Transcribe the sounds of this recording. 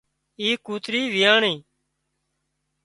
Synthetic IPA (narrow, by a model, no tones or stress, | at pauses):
iːkuːt̪ɾiːʋɪjaːɳiː